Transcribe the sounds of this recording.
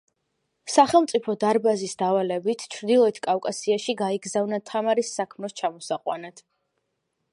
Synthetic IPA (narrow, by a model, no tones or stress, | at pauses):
saχɛlˠmt̪sʼipʰɔd̪aɾbazisd̪avalɛbit̪ʰt͡ʃʰɾd̪ilˠɔit̪ʰkʼafkʼasiaʃiɡaiɡzavnat̪ʰamaɾisːakʰmnɛst͡ʃʰamɔsaqʼwanat̪ʰ